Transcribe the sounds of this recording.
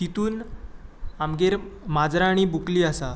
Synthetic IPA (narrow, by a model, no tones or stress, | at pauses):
t̪it̪uːn | amɡeɾmad͡zɾaːɽ̃ibukliːasa